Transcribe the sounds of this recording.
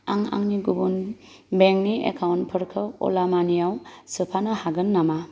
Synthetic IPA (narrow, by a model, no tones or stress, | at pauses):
aŋa̰ŋniɡubun | beŋ̚niḛkʰawntpʰɯɾkʰɯɔ̰lamanijawsɯpʰanɐhaɡɯnːama